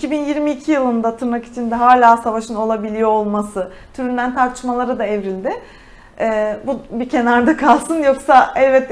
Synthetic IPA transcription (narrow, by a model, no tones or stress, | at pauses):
iicʰibinjiɾmiːcʰijɯlˠɯnd̪at̪ʰɯɾmaki̥t͡ʃʰind̪ɛɦaːlʲaːsavaʃɯno̞lˠabilʲijoolˠmasɯ | t̪ʰyɾynd̪ænt̪ʰaɾt̪ʰɯ̥ʃmalˠaɾad̪aɛvɾilʲd̪ɪ | ɛːbubicʰe̞naɾd̪akʰalˠsɯnjo̞ksaɛvvɛt̪̚